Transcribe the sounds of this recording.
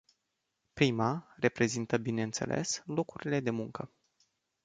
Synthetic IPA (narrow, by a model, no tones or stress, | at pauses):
pɾimare̞pɾe̞zint̪əbine̞ɨnt̪se̞̰lʔe̞̰slo̞kuɾile̞d̪e̞muŋkə